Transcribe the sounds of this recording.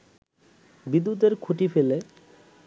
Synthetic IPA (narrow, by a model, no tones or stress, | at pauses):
bid̪ːut̪eɾkʰuʈifele